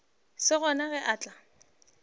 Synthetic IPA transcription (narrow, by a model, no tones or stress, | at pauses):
sɪɣɔnaɣɛʔaːt͡ɬʼa